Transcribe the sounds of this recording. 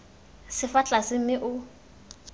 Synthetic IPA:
sɪfat͡ɬʼasɪm̩mɪʔʊ

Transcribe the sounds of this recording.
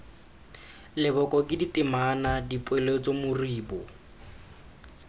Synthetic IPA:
lɪbɔkɔkʼɪditɪmanadipʼwelet͡sɔmʊriːbɔ

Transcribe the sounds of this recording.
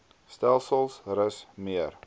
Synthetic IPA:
stælˠsəlˠsrəsmiər

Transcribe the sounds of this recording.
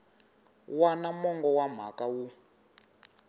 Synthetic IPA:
wanamɔŋɡɔwam̤a̰kawu

